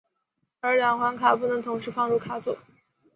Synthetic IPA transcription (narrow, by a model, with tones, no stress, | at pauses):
ə˞˧˥ljɑ˧˥ŋxwa˧˥nkʰa˨˩pu˥˩nə˧˥ŋt̪ʰʊ˧˥ŋʂɻ̩˥fɑ˥˧ŋɻu˥˩kʰa˨˩pu˥˩˦